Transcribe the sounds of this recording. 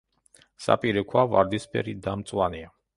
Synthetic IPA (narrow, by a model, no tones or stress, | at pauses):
sa̰pʼiɾekuava̰ɾd̪ispḛɾid̪amt̪t͡s̪ʼuania